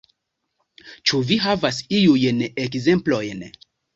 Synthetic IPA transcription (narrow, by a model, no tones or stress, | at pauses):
t͡ʃuviɦavasiujnekze̞mplo̞jn